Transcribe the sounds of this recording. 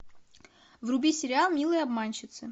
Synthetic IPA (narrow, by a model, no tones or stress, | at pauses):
vrʊbʲisʲɪɾʲɪalˠmʲilˠəjɐbmanʲɕɪt̪sɨ